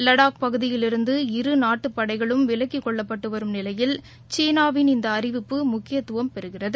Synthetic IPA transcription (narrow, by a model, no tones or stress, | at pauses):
lɐɽaːk̚pɐɣɯðɪjɪlɪɾɯnd̪ɯɪɾɯnaːʈːɯpːɐɽɐɪɣɐɭɯmʋɪlɐkːikːɔɭːɐpːɐʈːɯʋɐɾɯmnɪlɐjɪl | t͡ʃeːnaːʋɪnɪnd̪ɐːrɪʋɪpːɯmʊkːɪjɐt̪ːʊʋɐmpɛɾɯɣɪrɐðɯ